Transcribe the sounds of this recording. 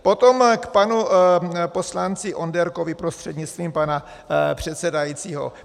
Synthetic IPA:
po̞t̪o̞mkpanupo̞slant͡sɪʔo̞ndɛɾkovɪpɾo̞st̪r̥ɛd̪ɲɪt͡st̪viːmpana | pr̝̥ɛt̪sɛdajiːt͡siːɦo̞̰

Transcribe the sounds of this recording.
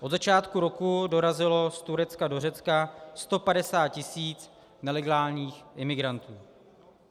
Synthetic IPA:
ʔodzat͡ʃaːt̪kuɾo̞kudo̞ɾazɪlo̞st̪uɾɛt͡skado̞rɛt͡skast̪o̞padɛsaːt̪̚cɪsiːt͡s | nɛlɛɡaːlɲiːxʔɪmɪɡɾant̪uː

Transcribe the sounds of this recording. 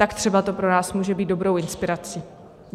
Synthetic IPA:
t̪akt̪r̥ɛbat̪o̞pɾo̞naːsmuːʒɛbiːt̪do̞bɾo̞wʔɪnspɪɾat͡siː

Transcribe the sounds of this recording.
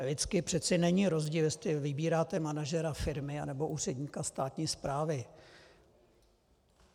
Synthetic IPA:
lɪt͡skɪpr̥ɛt̪t͡sɛnɛɲiɾo̞zɟiːljɛst̪lɪvɪbiːɾaːt̪ɛmanaʒɛɾafɪɾmɪa̰nɛbo̞ʔuːr̝ɛdɲikast̪aːt̪ɲiːspɾaːvɪ

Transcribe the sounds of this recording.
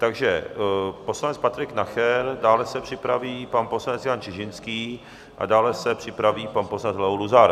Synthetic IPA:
t̪aɡʒɛposlanɛt͡spat̪ɾɪknaxɛɾdaːlɛsɛpr̝̥ɪpɾaviːpanpo̞slanɛt͡sjaːnt͡ʃɪʒɪnskiː | ʔa̰daːlɛsɛpr̝̥ɪpɾaviːpanposlat͡slɛoluzaɾ

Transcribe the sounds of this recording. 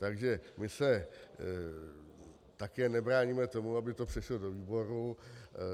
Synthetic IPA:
t̪aɡʒɛmɪsɛ | t̪akɛːnɛbɾaːɲimɛt̪o̞muabɪt̪opr̝̥ɛʃlodo̞viːbo̞ɾu

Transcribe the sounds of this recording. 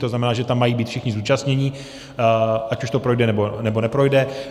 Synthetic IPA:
t̪oznamɛnaːʒɛt̪amːajiːbiːt̪fʃɛxɲɪzuːt͡ʃastɲɛɲɪ | ʔacuʃt̪o̞pɾojdɛnɛbonɛbo̞nɛpɾo̞jdɛ

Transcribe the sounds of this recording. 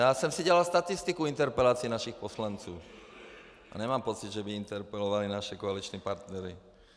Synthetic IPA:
jaːsɛmsiɟɛlalst̪at̪ist̪ikuint̪ɛɾpɛlaːt͡siːnaʃixpɔslant͡suː | ʔa̰ɲɛmaːmpɔt͡sid̪ʒɛbiint̪ɛɾpɛlɔʋalinaʃɛkɔalit͡ʃnɛpaɾt̪nɛɾi

